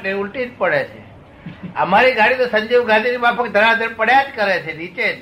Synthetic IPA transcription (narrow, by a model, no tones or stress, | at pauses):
ʈeulʈit̪pəɽet͡ʃʰḛ | ə̰maɾiɡaɽ̃it̪osəɲd͡ʒiʋɡãd̪ʱinimãpʰəkd̪ʱəɾad̪ʱəɽpəɽjad͡ʒkəɾet͡ʃʰeɾit͡ʃed͡ʒ